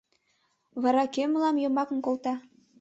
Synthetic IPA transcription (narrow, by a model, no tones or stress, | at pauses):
βɑɾɑkemlɑmjŏmɑkə̆nkolt̪ɑ